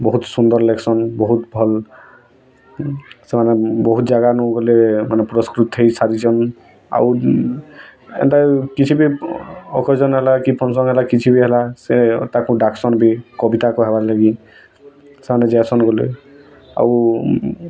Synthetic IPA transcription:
bɔɦut̪sund̪ɔɹlɛksɔnbɔɦut̪bʱɔl | sɛmanɛbɔɦut̪zaɡanɔɡɔlemanɛpɾɔskɹut̪ɦejsaɾizɔn | a̰w | ɛ̰ntakit͡ʃʰibiɔkʰɔzɔnɦɛlakipʰɔnsɔnɦɛlakit͡ʃʰibiɦɛlasɛtakũdaksɔnbikɔbitakɔɦɛbalaɡi | sɛmanɛzɛsɔnɡɔlḛ | a̰u

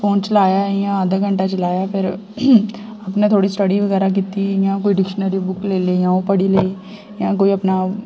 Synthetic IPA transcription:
foːnt͡ʃɐlaːjajãaːd̪aɡʱə̃ɳʈat͡ʃɐlaːjapʰɪɾ | ɐpnet̪ʰoːɽisʈəɽiʋɐɣɛːɾak̬it̪ijãkoːiɖɪkʃənəɾibʊkleːleːjãːõpɐɽileː | jãk̬oːiɐpna

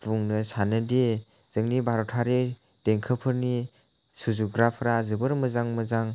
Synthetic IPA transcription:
buŋnɯsanɯde | z̥ɯŋnibʱaɾɔtʰaɾi | d̥eŋkʰəpʰɯɾni | suzuɡɾapʰɾazɯbɯɾmɯzaŋməzaŋ

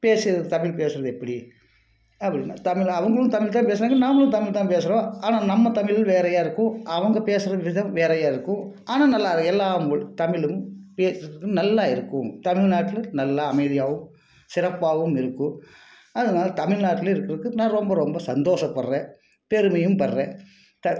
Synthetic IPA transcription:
peːsɪɾɐðt̪ɐmɪɭpeːsɯɾɐðɯɛpːɐɽi | ɐpːɐɽɪnːat̪ɐmɪɭɐʋɐŋɡɐɭɯ̃t̪ɐmɪɭt̪ãːpeːs̬ɾaːŋɡɐnaːŋɡɐɭɯ̃t̪ɐmɪɭt̪aːpeːsɯɾõːaːnaːnɐmːɐt̪ɐmɪlɪlʋeːɾɐjaːɪɾɯkːʊ̃ɐʋɐŋɡɐpeːsɯɾɐʋɪðɐ̃mʋeːɾɐjaːɪɾɯkːʊ̃ | aːnaːnɐlːaːɾɐɛlːaːmɯɭt̪ɐmɪɭɯmpeːsɐɾɐkːɯnɐlːaːɪɾɯkːʊ̃t̪ɐmɪɻnaːʈːɪlnɐlːaɐmɐɪðɪjaːʋɯm | sɪɾɐpːaːʋɯmɪɾɯkːʊ̃ | ɐðɯnaːlɐt̪ɐmɪɭnaːʈːɪlɪɾɯkːɪɾɐðkːɯnãːɾɔmbɐɾɔmbɐsɐnd̪oːʂɐpːɐɾrẽː | pɛɾɯmɐjɯmpɐrrẽː | t̪ɐ

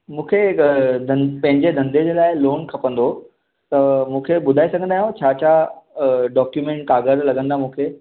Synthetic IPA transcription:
mũːkʰed̪ʱɐ̃npɐ̃ɦɪ̃ɲd͡ʑed̪ʱɐ̃nd̪ʱed͡ʑeːlaːɪloːnkʰɐpə̃nd̪o | t̪ɐmũːkʰeɓʊd̪ʱaːisɐɡʱə̃nd̪aːɦjũt͡ɕʰaːt͡ɕʰa | ɖɔːkjumẽːɳʈ̚kaːɡəɾlɐɡə̃nd̪amũːkʰeː

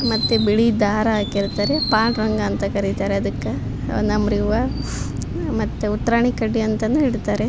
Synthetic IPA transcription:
mɐt̪ːebiɭid̪aːɾɐaːkiɾt̪aːɾepaːʈɾɐŋɡɐːnt̪ɐkɐɾit̪aːɾeɐd̪ɐkːe | nɐmɾiʋɐ | mɐt̪ːeut̪ːɾaːɳikɐɖːiɐnt̪ɐnuiɽt̪aːɾe

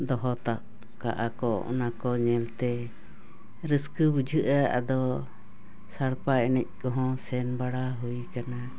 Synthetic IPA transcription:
d̪ɔɦɔt̪aʔ | ka̰ʔakɔɔ̰nakɔɲɛlt̪ɛ | ɾəskɨbud͡ʒʱɨʔaa̰d̪ɔ | saɽpaɛnɛc̚kɔɦɔ̃sɛnbaɽaɦujkana

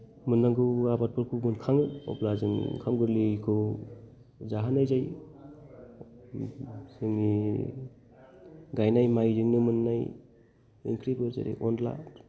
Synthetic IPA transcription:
mɯnːaŋɡɯabat̚pʰɯɾkʰumɯnkʰaŋɯɔ̰plazɯŋkʰamɡɯɾlikʰɯ | zaɦanajzaj | sɯŋni | ɡajnajmajzɯŋnɯmɯnːaj | iŋkʰɾibɯɾza̰ɾḛʔɔnla̰t

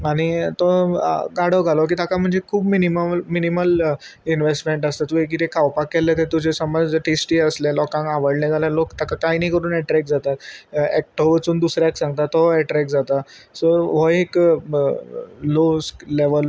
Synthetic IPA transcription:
aɽ̃it̪ɔɡaɽ̤oɡʱalɔk̬iːt̪akam̤əɳd͡zekʰuːbminiməminiməl | inʋesʈmeɳʈəst̪at̪uek̬it̪ekʰawpakːɛlet̪et̪ud͡ʑesəməd͡zʈesʈiːəslẽlɔkãŋɡaʋəɽlɛ̃ɡʱalalokt̪akak̪ajnikəɾuːnɛʈɾɛk̚d͡zat̪at̪ɛk̚ʈoʋət͡suːnd̪usɾjaksãŋɡ̚t̪at̪ːɔɛʈɾɛkd͡zat̪asɔɾʋɔek | losleʋəl

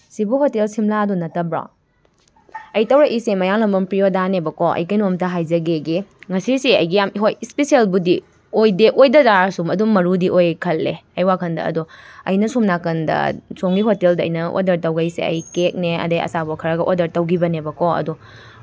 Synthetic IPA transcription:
sibuhotelsimlaɐdunɐtɐbɾɔ̰ | ɐjtɐwɾɐʔisemɐjaŋlɐmbɐmpɾijodanebɐkɔʔɐ̰jkɐjnomtɐɦajzɐɡeɡiŋɐsisiɐjɡijamiɦojispesielbudi | ojdeʔojdɐzaɾsumɐdumɐɾudiʔojkʰɐlːeɐjwakʰɐndɐ̰ɐ̰duɐ̰jnɐsumnakɐndɐ̰soŋɡiɦoteldɐɐ̰jnɐo̰dɐɾtɐwɡɐisḛɐ̰jkek̚neɐ̰dɐjɐ̰sabɐkʰɐɾɐɡɐʔodɐɾtɐwɡibɐnebɐkɔɐ̰du

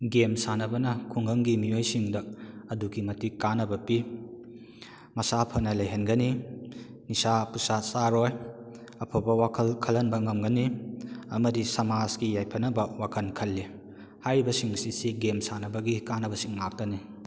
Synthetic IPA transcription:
ɡemsanɐbɐnɐkʰuŋɡɐŋɡimiojsiŋdɐɐduɡimɐtikanɐbɐpi | mɐsapʰɐnɐlɐjɦɐnɡɐni | nisapusasaɾoj | ɐpʰobɐwakʰɐlkʰɐlɐnbɐŋɐmɡɐniɐmɐdisɐmazkijajpʰɐnɐbɐwakʰɐnkʰɐlːi | hajbɐsiŋsisiɡemsanɐbɐɡikanɐbɐsiŋlak̚tɐni

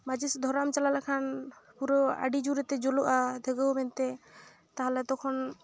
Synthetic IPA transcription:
mad͡ʒisd̪ʱɔɾamt͡ʃalalakʰanpuɾɔa̰ɖid͡ʒuɾɛt̪ɛd͡ʒɔloʔad̪ʱɛɡɔwmɛnt̪ɛ | t̪aɦalɛt̪ɔkʰɔn

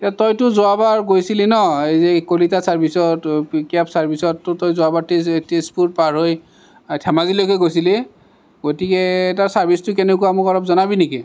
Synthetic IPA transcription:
atɔjtʊzoabaɹɡojsilinɔejzɛkolitasaɹbʱisɔtkapsaɹbʱisɔtːʊtɔjzoabaɹtestespuɹpaɹɦoj | tʰɛmazilojkojɡojsile | ɡotikɛtaɹsaɹbʱistʊkɛnɛkuwaːmʊkɔlɔp̚zɔnabiniki

